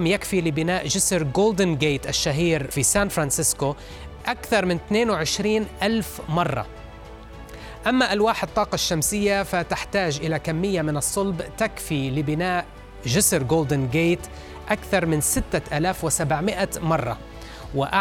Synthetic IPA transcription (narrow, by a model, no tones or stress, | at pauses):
mjakfilɪbɪnaːʔʒɪsɾɡoːld̪ɪnɡeːt̪ʔaʃːaɦiːɾfisaːnfɾˤɑnsɪsko | ʔakθɑɾˤmɪnt̪neːnwɪʕɪʃɾiːnʔalfmɑrˤːɑ̰ | ʔamːaʔalwaːħɪt̪ˤːɑːqɑʃːamsɪjːafat̪ɪħt̪aːʒʔɪlakamːɪjːamɪnɨsˤːʊlbt̪akfilɪbɪnaːʔ | ʒɪsɾɡoːld̪ɪnɡeːt̪ | ʔakθɑɾˤmɪnsɪt̪ːaʔaːlaːfwɪsabʕmɪʔamɑrˤːɑ̰ | wɪʔa